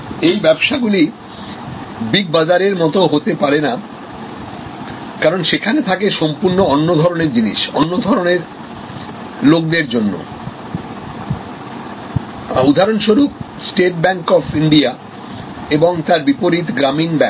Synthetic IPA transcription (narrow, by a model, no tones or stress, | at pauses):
ejbɛbʃaɡuli | bik̚bad͡ʑaɾeɾmɔt̪oɦot̪epaɾena | kaɾonʃekʰanet̪ʰakeʃɔmpuɾnoɔnːod̪ʱɔɾoneɾd͡ʑiniʃɔnːod̪ʱɔɾoneɾ | lok̚d̪eɾd͡ʑonːo̰ | ud̪ʱaɾonʃoɾuk | sʈeʈ̚bɛŋkɔfiɳɖia | eboŋt̪aɾbipoɾit̪ɡɾaminbɛ